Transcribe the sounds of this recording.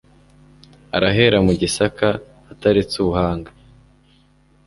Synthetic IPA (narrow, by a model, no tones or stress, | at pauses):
a̰ɾaɦe̞ɾamuɟisakaː | taɾit͡suβuhaːŋɡḁ